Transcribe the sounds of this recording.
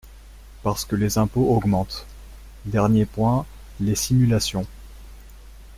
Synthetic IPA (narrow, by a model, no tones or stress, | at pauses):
paʁsə̥kəlezɛ̃poɔɡmɑ̃t̪ | d̪ɛʁnjepwɛ̃ | lesimylasjɔ̃